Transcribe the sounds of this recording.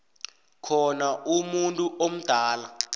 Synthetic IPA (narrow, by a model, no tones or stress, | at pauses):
kʰɔnaʔumuntʼuʔom̩d̥ʱaːla